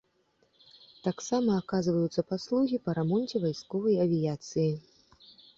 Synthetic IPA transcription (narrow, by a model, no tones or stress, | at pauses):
t̪aksamɐːkazvɐjut̪sːɐpaslˠuɣʲipɐɾamɔnʲt͡sʲɛvajskɔvɐjɐvʲijat̪sɨji